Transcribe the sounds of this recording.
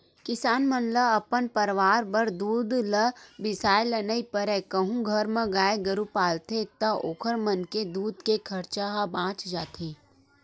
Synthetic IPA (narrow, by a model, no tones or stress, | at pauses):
kɪsaːnmənləɐpənpəɾʋaːɾbəɾd̪uːd̪ləbɪsaːjlənəipɐɾɛːkɐɦũɡʱɐɾmɐ̃ɡaːeɡɐɾupaːlt̪et̪ɐoːkʰəɾmɐnked̪uːd̪kekʰɐɾt͡ʃaɦabãːt͡ʃd͡ʒaːt̪ʰeː